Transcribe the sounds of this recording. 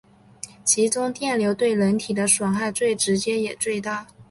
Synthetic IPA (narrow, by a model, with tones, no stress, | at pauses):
t͡ɕʰi˧˥t͡sʊ˥ŋt̪jɛ˥˩nljo˧˥ʊt̪we˥˩ɪlə˧˥nt̪ʰi˨˩d̪ə˦ʂwɑ˨˩ŋxa˥˧ɪt͡swe˥˩ɪʈ͡ʂɻ̩˧˥t͡ɕjɛ˥jɛ˨˩t͡swe˥˧ɪt̪a˥˩